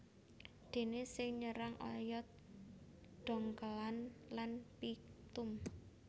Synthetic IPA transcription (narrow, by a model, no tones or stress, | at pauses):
d̪̥e̤nesɪŋɲəɾaŋɔ̰jɔt̪ | ɖ̥ɔ̤ŋkəlanlanpit̪ʊm